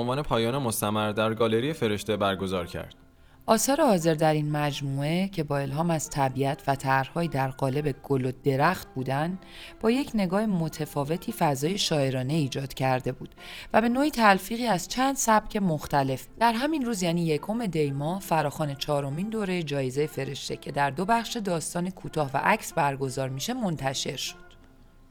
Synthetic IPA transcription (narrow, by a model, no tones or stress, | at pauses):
onvɒːne̞pʰɒːjɒːnemost̪æmæɾd̪æɾɡɒːle̞ɾijefe̞ɾe̞ʃt̪e̞bæɾɡo̞zɒːɾcʰæ̰ɾd̪̥ | ʔɒːsɒːɾehɒːze̞ɾd̪æɾinmæd͡ʒmuːe̞cʰe̞bɒːe̞lɦɒːmæz̥t̪ʰæbiæt̪ʰvæt̪ʰæɾhɒːjid̪æɾɣɒːle̞be̞ɡ̥olod̪e̞ɾæxt̪̚buːd̪æn | b̥ɒːje̞cʰne̞ɡɒːhemo̞t̪ʰefɒːve̞t̪ʰiːfæzɒːje̞ʃɒːe̞ɾɒːne̞iːd͡ʒɒːd̪̥cʰæɾd̪e̞buːd̪̥væbe̞noːiːt̪ʰælfiːɣiːæzt͡ʃʰænd̪̥sæb̥cʰe̞moxt̪æle̞fd̪̥æɾɦæminruːzjæːniːje̞kʰo̞me̞d̪e̞jmɒːhfæɾɒːxɒːne̞t͡ʃʰɒːɾo̞mind̪oːɾe̞jed͡ʒɒːjezejefe̞ɾe̞ʃt̪e̞cʰe̞d̪æɾd̪o̞bæχʃe̞d̪ɒːst̪ɒːnekʰuːt̪ʰɒːhvæ̰ʔæcʰsbæɾɡo̞zɒːɾmiʃe̞mo̞nt̪ʰæʃe̞ɾʃo̥d̪̥